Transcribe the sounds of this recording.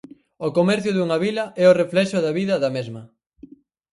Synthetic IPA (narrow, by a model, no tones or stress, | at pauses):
okomɛɾθjʊðuŋaβilɐʔɛoreflɛʃʊðɐβiðɐðɐmezmɐ